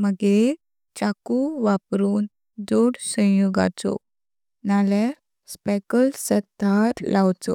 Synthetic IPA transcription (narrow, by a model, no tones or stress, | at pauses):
məɡe | t͡ɕakuʋapɾuːn | d͡zoɽsə̃joɡa̰t͡so̰ | nalaɾ | spɛkəlsət̪aɾlawt͡sɔ̰